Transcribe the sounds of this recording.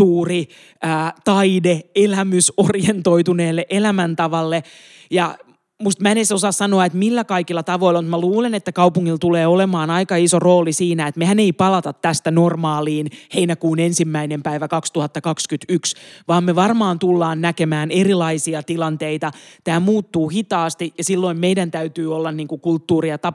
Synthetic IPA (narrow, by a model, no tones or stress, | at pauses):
suːri | æːt̪ɑideelæmysorjent̪oit̪uneːlːeʔelæmænt̪ɑʋɑlːe | jɑ | must̪mænesosɑssɑnoɑet̪milːækɑikilːɑt̪ɑʋo̞ilːɑmut̪mæluːlenet̪ːækɑupuŋːilt̪uleːolemɑːnɑikɑisoroːlisiːnæet̪mehæneipɑlɑt̪ɑt̪ːæst̪ænormɑːliːnheinækuːnensimːæinempæiʋækɑkst̪uhɑt̪ːɑkɑkskyt̪yksʋɑːmmeʋɑrmɑːnt̪ulːɑːnːnækemæːnerilɑisiɑt̪ilɑnt̪eit̪ɑt̪æːmuːt̪ːuːhit̪ɑːst̪ijɑsilːoimmeidænt̪æyt̪yːolːɑnniːŋkukult̪ːuːriɑt̪ɑ